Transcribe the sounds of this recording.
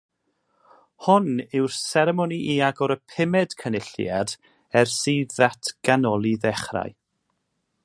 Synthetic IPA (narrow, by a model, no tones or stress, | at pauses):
hʊnɪwrsɛɾɛmɔniʔiaɡɔɾəpʰɪmɛd̥kʰənɪɬjad | ɛrsiːðatʰɡ̥anɔlˠiðɛχra̰j